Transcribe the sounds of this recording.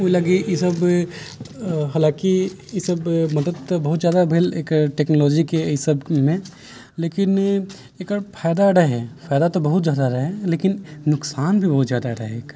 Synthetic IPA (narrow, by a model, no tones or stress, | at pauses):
oilɐɡijɪsəb | ɦaːlãːki | jɪsəbmɐd̪əd̪̚t̪obɐɦʊt̪zjaːd̪abʱeleːkʈeːknolɔːd͡ʒikeisəbmẽ | leːkɪn | eːkːfʰaːjd̪aɐɽəɦɛfaːjd̪at̪obɐɦʊt̪zjaːd̪aɾəɦɛleːkɪnːʊksaːnbʱibɐɦʊt̪zjaːd̪aɐɽaɦɛeːk